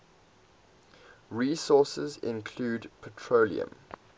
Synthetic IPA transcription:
ɹiːsɔˑsəzɪ̰̃nkʰluːdpʰətʰɹolḭə̰̃m

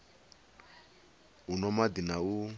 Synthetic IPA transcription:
unɔmad̪inau

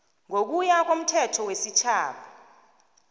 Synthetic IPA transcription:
ŋʱok̬ujak̬om̩tʰɛtʰɔwesit͡ʃʰaːɓʰa

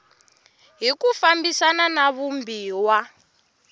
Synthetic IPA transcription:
ɦikufambisananaβumbiːwa

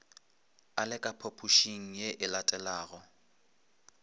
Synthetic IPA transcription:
alɪkʼapʰopʰuʃiŋ̩jeʔɪlatʼɛlaːɣɔ

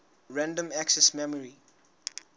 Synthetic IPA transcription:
ɹãndə̃mæksɛsmɛmɔɹi

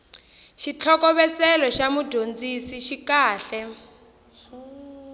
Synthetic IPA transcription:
ʃit͡ɬʰɔkɔβɛt͡sɛlɔʃamudʱond͡zisiʃikaːɬɛ

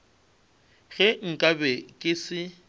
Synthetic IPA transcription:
ɣɛŋ̩kʼabɛkʼɪsɪ

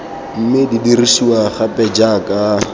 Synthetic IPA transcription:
m̩mɪdidirisiwaχapʼɛd͡ʒakʼa

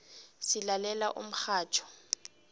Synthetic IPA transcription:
sɪlalɛlaʔʊ̰m̩k͡xaːt͡ʃʰɔ̥

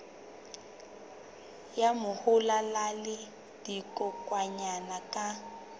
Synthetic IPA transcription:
jamʊhʊlalalɪ | d̥ikʼɔkʼwaɲanakʼa

